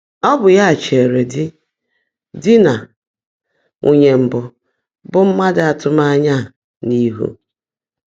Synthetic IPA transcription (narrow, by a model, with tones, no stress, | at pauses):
ɔ˦bʊ˨ja˦a˨t͡ʃe˨ɾe˨dɪ˦ | dɪ˦na˨ | ŋʔu˨ɲe˨m̩˨bʊ˨ | bʊ˦m̩˦ma˦dɪ˨a˨tʊ˦ma˦a˦ɲa˦˨ | ni˦ɦṵ˦